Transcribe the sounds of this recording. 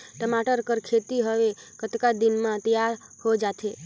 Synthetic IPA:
ʈəmaʈəɾkəɾkʰet̪iɦəʋe | kət̪kad̪inmãt̪əjaɾ | hod͡ʒat̪ʰe

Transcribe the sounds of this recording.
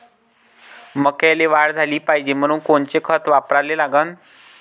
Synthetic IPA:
məkaleʋaɽd͡zʱaliːpaɦid͡ʑem̤əɽ̃uːnkoɳt͡sekʰət̪ʋapɾalelaɡən

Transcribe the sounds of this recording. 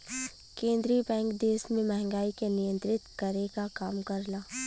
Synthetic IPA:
kẽːnd̪ɾibɛ̃ːŋkd̪eːsmẽmɛɦɛ̃ŋɡaːikenijə̃nt̪ɾɪt̪kɐɾekakaːmkɐɾlaː

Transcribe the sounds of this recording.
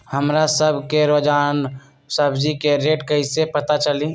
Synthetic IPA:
həmɾasəbʱkeɾod͡ʒan | səbʱd͡ʒikeɾeʈkəɦisepət̪at͡ʃəli

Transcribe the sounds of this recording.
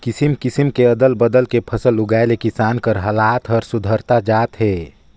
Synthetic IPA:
kɪsimkɪsimkeɐd̪əlbəd̪əlkepʰɐsəlʊɡaːelekɪsaːnkəɾɦɐlaːt̪ɦəɾsʊd̪ʱəɾt̪ad͡ʒaːt̪ɦɛː

